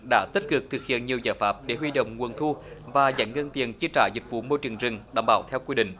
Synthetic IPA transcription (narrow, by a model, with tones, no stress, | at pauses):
ɗa̰ː˧˥t̪i˦˥kɨ˨˩k̚t̪ʰɨ˨˩k̚hḭ˧˨ənɲi˨˩əwzaː˧˩jfaː˦˥p̚ɗe˧˩hɦwi˧ɗo̰˧˨wŋ͡mŋu˨˩ənt̪ʰu˧vaː˨˩za̰˧˦jŋə˧nt̪i˨˩ənt͡ɕi˧ət͡ɕaː˧˩zï˨˩k̟̚vṵ˧˩mo˧jt͡ɕɨ˨˩əŋzɨ˨˩ŋɗa̰ː˧˩ŋ͡mɓaː˧˦wt̪ʰɛ˧wkwi˧ɗḭ̈˧˨ŋ̟